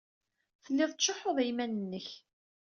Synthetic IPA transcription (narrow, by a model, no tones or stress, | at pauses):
θəlːɪðˤt͡ʃːoħoðˤæjmænənːəç